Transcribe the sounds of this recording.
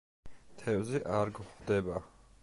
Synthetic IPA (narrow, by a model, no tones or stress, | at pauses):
t̪ʰɛvziʔaɾɡχd̪ɛba